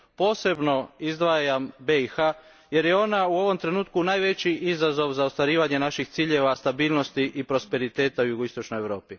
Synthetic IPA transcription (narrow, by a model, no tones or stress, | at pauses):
po̞ːse̞bno̞izd̪ʋajambeixa | je̞ɾjeo̞nauo̞ʋo̞mt̪ɾe̞nuːt̪kunaːjʋe̞t͡ɕiʔizazo̞ʋzaost̪ʋaɾiːʋaɲe̞naʃixt̪siːʎe̞ʋast̪abiːlnost̪iʔipɾo̞spe̞ɾit̪e̞ːt̪aujuɡoist̪o̞t͡ʃnojeʋɾo̞ːpi